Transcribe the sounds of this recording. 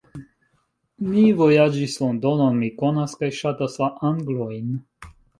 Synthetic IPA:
mivojad͡ʒislɔnd̪onɔnmikonaskajʃat̪asvaʔaŋɡlojn

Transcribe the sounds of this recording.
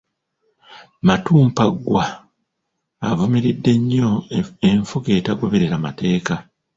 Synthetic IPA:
matuːmpaɡːwa | vome̞ɾidːe̞ɲːoeɱfuke̞ːtaɡo̞βe̞ɾe̞ɾamate̞ːka

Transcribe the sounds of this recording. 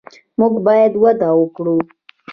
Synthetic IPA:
muɡbɑjad̪wad̪awəkɽu

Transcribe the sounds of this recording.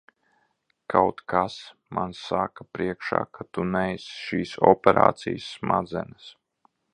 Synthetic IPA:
kʰawt̪kʰas | mʔansakapɾiɛkʃa̰ːkʰat̪unɛjsʃiːsɔpʲɛɾa̰ːt̪sijsːma̰d̪zɛ̰nɨs

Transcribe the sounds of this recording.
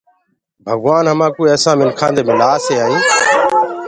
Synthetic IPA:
bʱəɡʋaːnɦəmãːkoːieːsãːmɪnkʰãːnd̪eːmɪlaːseːaːɦĩː

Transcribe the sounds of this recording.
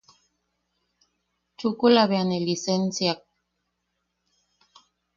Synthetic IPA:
t͡ʃukulaβeanelisensjak̚

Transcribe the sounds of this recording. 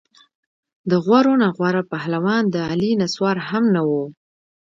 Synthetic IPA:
d̪əɣwaɾonaɣwaɾapahlawɑnd̪əalinaswɑɾhamnawo

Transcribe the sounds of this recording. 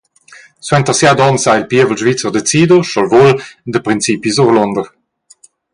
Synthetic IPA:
swɛnt̪əʁsjad̪ɔnsailpiəvəlʒvit͡səʁd̪et͡siːd̪uʃɔlvold̪əpɾint͡sipizuʁlɔnd̪əʁ

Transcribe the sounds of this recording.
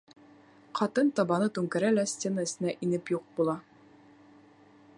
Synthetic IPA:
qɒt̪ɤnt̪ɒbɑnɤt̪ʉŋkɘ̆ɾælæsʲt̪ʲe̞nəɘ̆sɘ̆næʔinɘpjuq̚bulˠɑ

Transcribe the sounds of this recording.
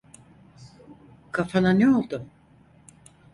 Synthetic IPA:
kʰafananɛo̞lˠd̪ʊm

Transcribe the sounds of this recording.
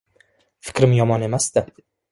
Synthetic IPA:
fɪ̥kɾmjɔmɑːnemast̪æ

